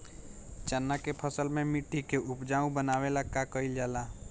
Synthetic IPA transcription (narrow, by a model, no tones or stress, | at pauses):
t͡ʃənːakepʰəsəlmẽmɪʈːikeʔʊpd͡ʒaːũbənaːwelakakəɪld͡ʒaːla